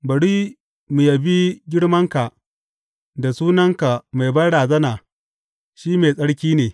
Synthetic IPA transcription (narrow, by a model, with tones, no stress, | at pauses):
bɐ˨ɽiː˦ | mu˨jɐ˨bi˦ɡʲɪ˦ɽmɐ˦ŋka˨ | da˨suː˦nɐ˦ŋka˨ma˨jbɐ˦ɽaː˨zɐ˦naː˨ | ʃiː˦meː˨sʼɐ˦ɽkʲiː˦neː˨